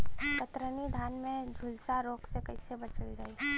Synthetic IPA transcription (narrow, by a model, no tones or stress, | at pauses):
t̪ət̪ɾənid̪ʱaːnmẽd͡ʒʱʊlsaɾoːksekɐisebɐt͡ʃəld͡ʒaːi